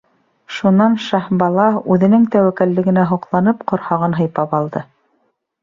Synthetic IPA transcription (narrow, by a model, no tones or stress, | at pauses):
ʃunɑnʃɑhbɑlˠɑʉðɘ̆nɘŋt̪æwækælːɘ̆ɡɘ̆næɦuqlˠɑnɤpqŏɾhɑʁɤnɦɤ̆jpɑpɑlˠd̪ɤ